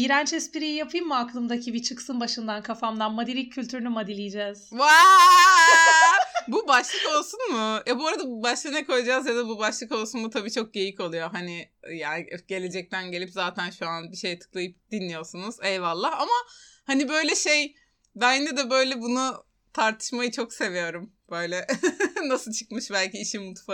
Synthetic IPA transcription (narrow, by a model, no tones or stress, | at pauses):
biɾænt͡ʃɛspiɾijijapʰɯjɯmmuaklˠɯmd̪acʰibit͡ʃʰɯksɯnbaʃɯnd̪ankʰafamd̪anmad̪iɾʲic̚ʰːylʲt̪ʰyɾynymad̪ilʲijid͡ʒɛz̥va | bubaʃlˠɯko̞lˠsunmʊjɛbuoɾad̪abaʃlˠɯnɛko̞jad͡ʒazjad̪abubaʃlˠɯko̞lˠsunmut̪ʰabiːt͡ʃʰo̞k̚ɟe̞jiko̞lˠujo̞ɦanɪjaɟe̞lʲe̞d͡ʒɛc̚t̪ʰænɟe̞lʲipzaːt̪ʰænʃuanbiʃe̞jt̪ʰɯ̥klˠajɯp̚d̪̥inlːʲijo̞sunuz̥ɛlvalˠːaama | hanibø̞jlʲɛʃej | bænnd̪ɛd̪ɛbø̞jlʲɛbunu | t̪ʰaɾt̪ʰɯ̥ʃmajɯt͡ʃʰo̞kse̞vijo̞ɾumb̥ø̞jlʲɛnasɯlˠt͡ʃʰɯ̥kmɯʃbælʲciːʃimut̪fa